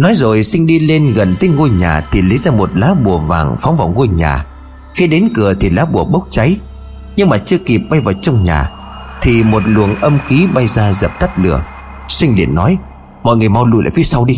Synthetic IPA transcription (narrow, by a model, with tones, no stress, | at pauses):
nɔ˨˦jzo˨˩jsi˧ŋ̟ɗi˧le˧nɣə˨˩nt̪ə˨˦jŋo˧jɲa̰ː˨˩t̪ʰi˨˩li˨˦jzaː˧mo˨˩t̚laː˨˦ɓu˨˩əva̰ː˨˩ŋfɔ˨˦wŋ͡mvaː˨˩wŋo˧jɲa̰ː˨˩ | xi˨˦ɗe˨˦nkɨ˨˩ət̪ʰi˨˩laː˨˦ɓu˨˩əɓə˦˥wk͡p̚t͡ɕa˨˦j | ɲɨ˧ŋmaː˨˩t͡ɕɨ˧əki˨˩p̚ɓa˧jvaː˨˩t͡ɕɔ˧wŋ͡mɲa̰ː˨˩ | t̪ʰi˨˩mo˨˩t̚lu˨˩əŋʔə˧mxi˨˦ɓa˧jzaː˧zə˨˩p̚t̪ʰa˦˥t̚lɨ̰˨˧˩ə | swï˧ŋlḭ˧˩ənːɔ˨˦j | mɔ̰˧˨jŋɨ˨˩əjma˧wlu˧jla̰ː˧˨˩fi˨˦sa˧wɗi˧